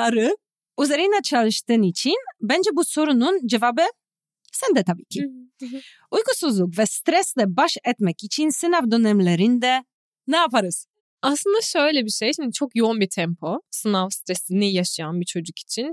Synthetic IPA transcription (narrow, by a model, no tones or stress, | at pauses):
aɾɯ | uzeɾɯnat͡ʃʰalˠɯʃt̪ɯnit͡ʃʰinbɛnd͡ʒɛbuso̞ɾunund͡ʒɛvabɯ | sɛnd̪ɛt̪ʰabiːcʰi | ujɡusuzlˠukvɛst̪ɾɛsd̪ɛbaʃɛt̪mɛcit͡ʃʰinsɯnavd̪ønɛmlʲeɾind̪ɛ | nɛapʰaɾɯz̥ | aslˠɯnd̪aʃø̞jlʲɛbiʃejʃimd̪it͡ʃʰo̞kjo̞unbit̪ʰɛmpʰosɯnafst̪ɾɛsinijaʃajanbit͡ʃʰo̞d͡ʒuki̥t͡ʃʰin